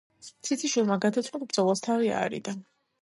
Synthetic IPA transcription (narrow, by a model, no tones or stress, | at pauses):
t̪sʰit̪sʰʼiʃwilˠmaɡad̪at̪sʰwalbɾd̪zɔlˠast̪ʰavia̰ɾḭd̪a